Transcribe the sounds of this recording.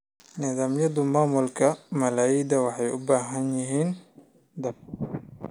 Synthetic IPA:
nɪðaːmjɐðʊmaːmʊlkʰɐmɐlaːid̪ɐwɑħɑjʔʊbaːɦɐnjɪɦiːn | d̪ɐb̚

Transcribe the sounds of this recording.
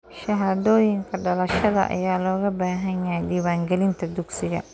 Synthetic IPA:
ʃɐɦaːðɔːjɪŋkʰɐɖɐlɐʃɐðɐ̰ʔɐ̰jaːlɔːɣɐbaːɦɐɲjajɖiːwaːŋɡɛlɪnt̪ʰɐd̪ʊɡsɪɣɐ̰

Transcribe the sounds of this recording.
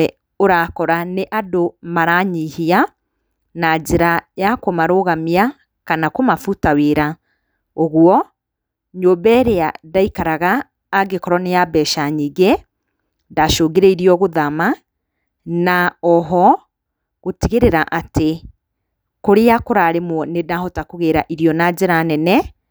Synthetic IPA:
ɛ | oɾakɔɾaneʔadomaɾaɲihia | nad͡ʒeɾajakomaɾoɣamia | kanakomafutaweɾa | oɣwɔ | ɲoːbɛɾeadaikaɾaɣaː | ɡekɔɾɔnejabɛʃaɲiɡe | ndaʃoːɡeɾɛiɾiɔɣoðama | naɔɦɔ | ɣotiɣeɾeɾaʔate | koɾejakoɾaɾemwɔnedahɔtakoɣeɾaʔiɾijɔnaɟeɾanɛnɛ

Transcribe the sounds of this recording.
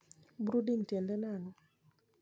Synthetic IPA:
bɾudintjendɛnanɔ

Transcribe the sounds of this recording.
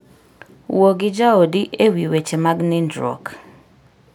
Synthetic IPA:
woɡid͡ʒaodiʔewiwet͡ʃemaɡnindɾɔ̰k

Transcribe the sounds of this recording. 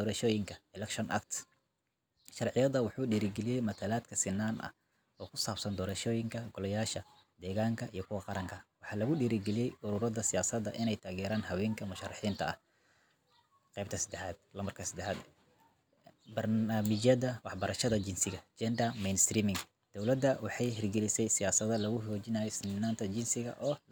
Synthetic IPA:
d̪ɔːɾɐʃɔːjɪŋkʰɐɛlɛkʃɔnʔɐ̰k̚t̪ | ʃɑrʕɪjɐðɐwɑħuːɖiːɾɪɡɛlijɛjmɐt̪ʰalaːd̪kʰɐsɪnːaːnɐ̰ | ɔːkʰʊsaːbsɐnd̪ɔːɾɐʃɔːjɪŋkʰɐɡɔlɐjaːʃɐ | d̪ɛːɣaːŋkʰɐʔijɞkʰʊwɐqɑɾɐŋkʰɐwɑħɑːlɐɣʊɗiːɾɪɡɛlijɛjʔʊɾuːɾɐðɐsɪjaːsɐd̪ɐ̰ʔɪnɛjt̪ʰaːɣɛːɾaːnhɐwɛːŋkʰɐmʊʃɑrːɑħiːnt̪ʰɐɐh | qɛjb̚p̚t̪ʰɐsɐd̪ɛħaːd̪̚lɐmɐrkʰɐsɐd̪ɛħaːd̪ | bɐrnaːmɪt͡ʃɐðɐwɑħbɐɾɐʃɐðɐt͡ʃɪnsɪɣɐd͡ʒɛnd̪ɐmɛjnst̪ɾiːmɪŋ | d̪̥ɔwlɐd̪ɐwɑħɑjɦɪrɡɛlɪsɛjsɪjaːsɐðɐlɐɣʊɦɔːt͡ʃɪnaːjɔsɪnaːnt̪ʰɐt͡ʃɪnsɪɣɐ̰ʔɔː

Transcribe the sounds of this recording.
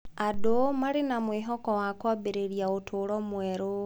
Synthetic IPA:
adomaɾenamwiːɦɔkɔwakɔbeɾeɾjaotʰoɾɔmwɛɾo

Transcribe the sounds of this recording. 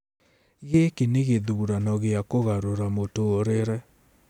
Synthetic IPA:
ɣekeneɣeðuɾanɔɣeakoɣaɾoɾamotoːɾeɾɛ

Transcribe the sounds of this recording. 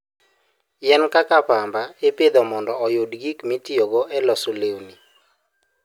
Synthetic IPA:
jɛnkakapambaeped̪ɔmɔndɔɔjodɡikmitijoɡoʔɛlɔsolewni

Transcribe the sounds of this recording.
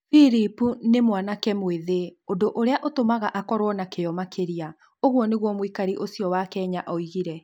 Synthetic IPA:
fiɾipunemwanakɛmweðeondoʔoɾeaʔotomaɣaʔakɔɾwɔnakeɔmakʰeɾia | oɣwɔneɣwɔmwikaɾiʔosiɔwakɛɲaʔɔiɣiɾɛ

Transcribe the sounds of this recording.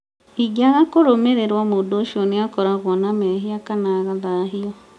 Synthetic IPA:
iɡaɣakoɾomeɾeɾwamodoʃoneakɔɾaɣwɔnamɛɦiakanaɣaðaɦiɔ

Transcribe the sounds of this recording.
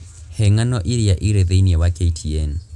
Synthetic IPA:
hɛŋanɔʔiɾiaʔiɾɛðeiniɛwakʼetʰiɛn

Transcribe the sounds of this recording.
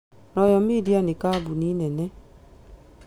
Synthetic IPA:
nɔjɔmedianikabuninɛnɛ

